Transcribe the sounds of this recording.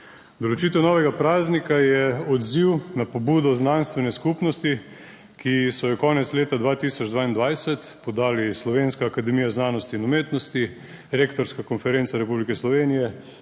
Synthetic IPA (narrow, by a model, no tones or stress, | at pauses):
d̪ɔlot͡ʃit̪ɛwnɔːʋɛɡapɾaːznikajɛɔd̪ziwnapɔbuːd̪ɔznanst̪ʋɛnɛskupnɔst̪i | kisɔjɔkɔːnɛt̪sleːt̪ad̪ʋaːt̪isɔd͡ʒd̪ʋaːind̪ʋajsɛt̪pɔd̪aːlislɔʋeːnskaːkad̪ɛmiːjaznaːnɔst̪iːnɔmeːt̪nɔst̪i | ɾeːkt̪ɔɾskakɔnfɛɾent̪saɾɛpublikɛslɔʋeːnijɛ